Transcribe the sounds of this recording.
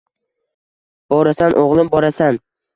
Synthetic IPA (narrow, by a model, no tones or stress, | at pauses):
b̥ɒɾasanʔoʁlˠɪmbɒɾasan